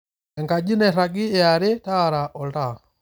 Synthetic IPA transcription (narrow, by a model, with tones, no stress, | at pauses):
ɛ˨ŋɡa˨d͡ʒi˦nɛ˨ɾa˨ɡɪ˦a˨ɾɪ˦ta˦˨ɾa˨ʔɔ˨lta˦˨